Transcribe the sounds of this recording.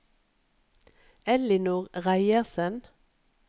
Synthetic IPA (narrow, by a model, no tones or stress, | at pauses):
ɛlɪnuːʁʁæɪəʁsən